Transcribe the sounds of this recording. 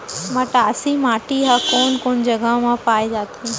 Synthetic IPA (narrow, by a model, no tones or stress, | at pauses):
mãːʈaɐsĩmaːʈiɦaːkoːnkoːn̆d͡ʑɐɡamãpaːid͡ʒaːt̪ʰi